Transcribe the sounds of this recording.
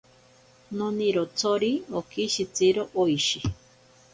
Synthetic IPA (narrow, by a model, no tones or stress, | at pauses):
noniɾot͡sʰoɾiokiʃit͡siɾoʔoiʃi